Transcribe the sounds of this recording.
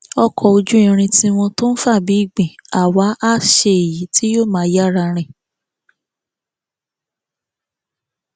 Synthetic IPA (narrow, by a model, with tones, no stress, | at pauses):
ɔ˧kʰɔ˧o˧d͡ʒu˦ĩ˧ɾ̃ĩ˧tĩ˦w̃ɔ̃˧to˦n̩˦fa˦˨bi˨˦i˦˨ɡ͡bĩ˨a˨wa˨˦ʔa˦˨ʃe˧e˨ji˨˦ti˦jo˦˨mãː˨˦ja˦˨ɾa˧ɾ̃ĩ˦˨